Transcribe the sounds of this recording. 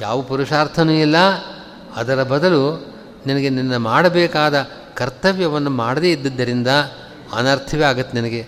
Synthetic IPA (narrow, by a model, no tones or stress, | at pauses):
jaːʋɐpuɾuʂaːɾt̪ʰɐnuːilːɐ | ɐd̪ɐɾɐbɐd̪ɐlu | ninɐɡe̞ninːɐmaːɽɐbɛːkaːd̪ɐ | kɐɾt̪ɐʋjɐʋɐnːumaːɽd̪eːid̪ːid̪ːɐɾind̪ɐ | ɐ̰nɐːɾt̪ʰɐʋeaːɡɐt̪ːeninɐɡe̞